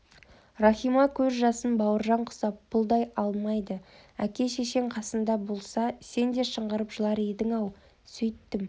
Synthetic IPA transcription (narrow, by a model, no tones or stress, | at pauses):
rɑχijmɑkʲʰɵzʒɑsənbɑwəɾʒɑɴqʰʊ̥sɑpʰːʊlˠd̪ɑjɑlˠmɑjd̪əækʲe̞ʃeʃe̞ŋqʰɑsənd̪ɑbo̞lˠsɑse̞nd̪e̞ʃəɴʁəɾəpʒəlˠɑɾed̪ɪŋɑw | sɵjt̪ːɪm